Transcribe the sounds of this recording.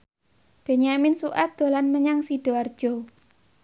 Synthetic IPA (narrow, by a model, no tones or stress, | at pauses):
b̥eɲamɪnsuʔat̪̚d̪̥o̤lanməɲaŋsid̥o̤ard̥ʒ̥ɔ